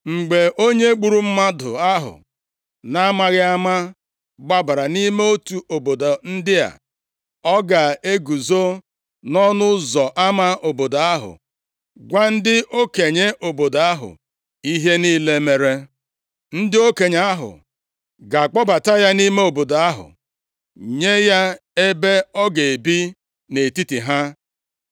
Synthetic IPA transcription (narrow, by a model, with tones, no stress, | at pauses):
ŋ͡m̩˨ɡ͡be˨ʔo˦ɲe˦ɡ͡bu˨ɾu˦m̩˦ma˦dʊ̰˨a˦ɦʊ̰˨ | na˦ma˦ɣɪ˦a˦ma˦ | ɡ͡ba˦ba˨ɾa˨ni˦me˦o˦tu˨o˨bo˨da˨n̩˦dɪ˦a̰˨ | ɔ˦ɡa˨e˦ɡu˨zo˦ | nɔ˦nʊ˦zɔ˨ʔa˦ma˦o˨bo˨da˨a˦ɦʊ̰˨ | ɡʷa˦n̩˦dɪ˦ʔo˦ke˨ɲe˦ʔo˨bo˨do˨a˦ɦʊ̰˨ | i˦ɦe˦niː˦le˦me˨ɾe˦ | n̩˦dɪ˦o˦ke˨ɲa˦a˦ɦʊ̰˨ | ɡa˨k͡pɔ˦ba˨ta˦ja˦ni˦me˦o˨bo˨da˨a˦ɦʊ̰˨ | ɲe˦ja˦ | e˦be˦ɔ˦ɡe˨e˨bi˦ | ne˨ti˦ti˨ɦa˦